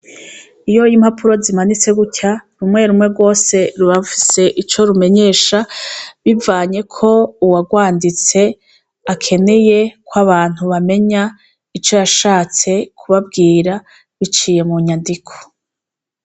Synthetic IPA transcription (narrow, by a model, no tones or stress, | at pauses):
ijo̞jimhapʰuɾo̞zimanit͡se̞ɡucaɾumŋe̞ɾumŋe̞bɡwo̞ːse̞ɾuβafi̥se̞ʔit͡ʃo̞ɾume̞ɲe̞ːʃaβivaːɲe̞kʰo̞uwaɡwaːndit͡se̞ | akʰe̞ne̞je̞kwaβaːn̥huβame̞ɲa | it͡ʃo̞jaʃaːt͡se̞kʰuβab̚ɡiːɾa | βit͡ʃiːje̞muɲandikʰo̥